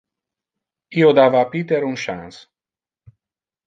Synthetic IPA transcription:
iod̪avapit̪eɾunʃa̰ns

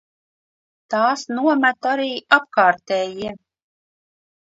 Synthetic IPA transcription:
t̪aːsnuɔmæt̪aɾiːʔap̚kaːɾt̪ɛːjiɛ

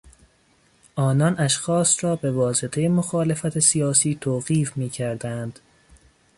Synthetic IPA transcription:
ʔɒːnɒnʔæʃxɒːsrɒːbe̞vɒːse̞t̪ʰejemoxɒːle̞fæt̪ʰesijɒːsiːt̪ʰoːɣiːfmiːcʰæɾd̪ænd̪̥

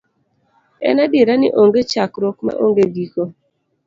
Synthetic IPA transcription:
ɛ̰nabeɾanɪ̰ʔoŋɡet͡ʃakɾokma̰ʔoŋɡeɡiko

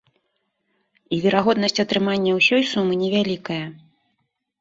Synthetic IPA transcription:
ivʲɛɾaɣɔd̪nɐsʲt͡sʲɐt̪ɾɨmanʲːɐwsʲɔjsumɨnʲɛvʲalʲikɐjɐ

